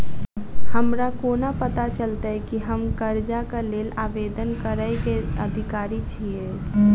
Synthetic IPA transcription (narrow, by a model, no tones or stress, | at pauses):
həmɾakoːnapət̪at͡ʃəlt̪aɛkiɦəmkəɾd͡ʒakaleːlaːʋeːd̪ənkəɾəjkeəd̪ʱɪkaːɾit͡ʃʰie